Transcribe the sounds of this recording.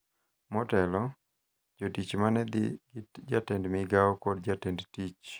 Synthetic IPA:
mɔtɛlɔ | d͡ʒotit͡ʃmanɛd̪ɪɡd͡ʒatɛndmɪɡaɔkɔdd͡ʒatɛndtit͡ʃ

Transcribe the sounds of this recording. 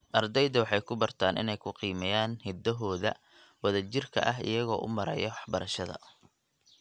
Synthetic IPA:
ʔɐrd̪ɛjðɐwɑħɑjkʰʊbɐrt̪ʰaːnɪ̰nɛjkʰʊqiːmɛjaːnhɪd̪ɐɦɔːðɐ | wɐðɐt͡ʃɪrkʰɐ̰ʔɐɦɪ̰jɐɣɔ̰ːʔʊ̰mɐɾɐ̰jɐwɑħbɐɾɐʃɐðɐ̰

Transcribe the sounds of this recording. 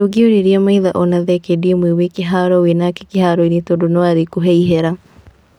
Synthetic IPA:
oɡioɾiɾjɛmaiðaʔɔnaðɛkediɛmwewekeɦaɾɔwenakekehaɾɔinitodonɔwaɾekuɦɛiɦɛɾa

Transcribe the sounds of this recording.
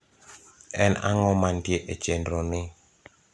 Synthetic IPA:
ɛna̰ŋɔmandjeʔet͡ʃendɾonɪ

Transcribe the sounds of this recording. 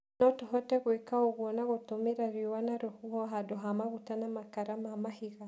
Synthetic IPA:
nɔtuɦɔtɛɣwɛkaɔɣwɔnaɣutumiɾaɾiwanaɾuhuhɔɦadɔɦamaɣutanamakaɾamamahiɣa

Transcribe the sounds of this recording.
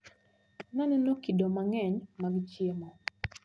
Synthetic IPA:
nanɛnokidɔmaŋɛɲmaɡt͡ʃjemɔ

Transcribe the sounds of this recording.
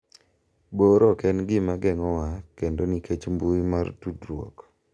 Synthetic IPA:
boɾɔkɛnɡɪmaɡɛŋɔwakendonikʰet͡ʃmbumartudɾwɔ̰k

